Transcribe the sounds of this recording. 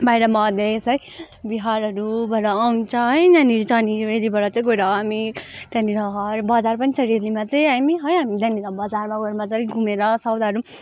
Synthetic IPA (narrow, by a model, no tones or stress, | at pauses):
bajɾʌmʌd̪esʌj | biɦaɾʌɾubʌɾʌːwnt͡sʰʌɦʌjnanit͡sʌnielibʌɾʌt͡sʌj̃ɡojɾʌɦamid̪̥janiɾʌɦʌɾbʌd͡zarpʌnisʰʌɾilimat͡sʌĩɦamiɦʌjamid̪janiɾʌbʌd͡zarmaɡʌɾmat͡sʌĩj̃ɡʱumeɾʌsʌwd̪aɦʌɾu